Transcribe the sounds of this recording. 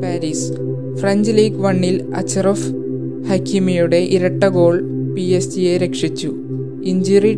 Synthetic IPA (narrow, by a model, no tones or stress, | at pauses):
paːɾiːs | frɐɲd͡ʑliːkʋɐɳːil | ɐ̰t͡ɕːɐrɐf | hɐkːimijuɽe̞ʔiɾɐʈːɐɡo̞ːɭpiesijeɾekʂit͡ɕːu | iɲd͡ʑiri